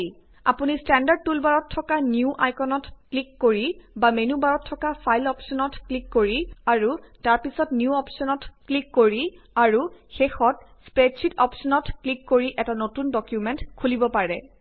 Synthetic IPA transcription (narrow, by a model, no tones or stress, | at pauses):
j | a̰punistɛndaɹd̚tulbaɹɔtʰːɔkanjuʔa̰jkɔnɔtklikːoɹibamenubaɹɔtʰːɔkapʰajlɔpsɔnɔtklikːoɹiaɹutaɹpisɔtnjuɔpsɔnɔtklikːoɹi | aɹuxexɔt̚ | spɹetsʰitɔpsɔnɔtklikːoɹiʔɛtanotundɔkjumɛntkʰulibɔpaɹɛ